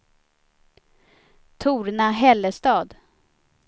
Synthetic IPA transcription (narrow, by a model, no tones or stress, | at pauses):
t̪ʰuːɾnaɦɛlːəst̪ɑːd̪